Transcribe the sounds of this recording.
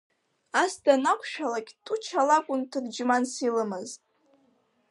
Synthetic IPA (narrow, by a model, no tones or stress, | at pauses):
asdanakʷʰʃᶣalakʲʼtʼut͡ʃʰalakʷʼʊntʰɨrd͡ʒmansilɨmɨztʼ